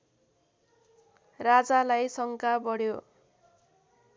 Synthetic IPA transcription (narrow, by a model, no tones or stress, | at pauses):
rad͡zalajsʌŋkabʌɽjo